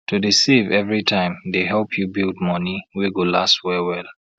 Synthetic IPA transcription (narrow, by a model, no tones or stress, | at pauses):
tʰudisivɛvɹitʰãɪ̃md̪eɦɛlˠpʰjubild̚mʌniwiɡolastwɛwɛl